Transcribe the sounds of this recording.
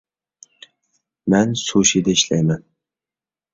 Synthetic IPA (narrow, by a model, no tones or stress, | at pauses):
mansoʃid̪aɪʃlajman